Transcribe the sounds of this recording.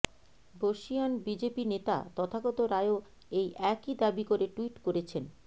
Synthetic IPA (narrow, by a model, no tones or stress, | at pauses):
boʃionbid͡ʑepinet̪a̰t̪ɔt̪ʰaɡɔt̪oɾaeo | ejʔɛkid̪abikoɾeʈuiʈkoɾet͡ɕʰen